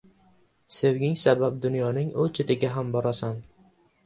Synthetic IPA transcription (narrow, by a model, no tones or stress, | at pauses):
sewɡʲɪŋsabap̚d̪ʊnjɒnɪŋot͡ʃʰɪt̪ɪɡʲaɦambɒɾasan